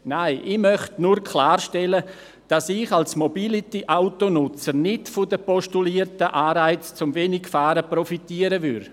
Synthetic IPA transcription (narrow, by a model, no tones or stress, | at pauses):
naɪʔɪmœχtnuɾkʰlaːɾʃtɛlə | d̥asɪχalsmobilitiʔaʊtonʊt͡səɾnɪdfʊdəpɔʃtuliːəɾtəʔaːɾaɪt͡st͡sʊmveːnɪkfaːɾəprɔfitiəɾəvʏ̰ɾ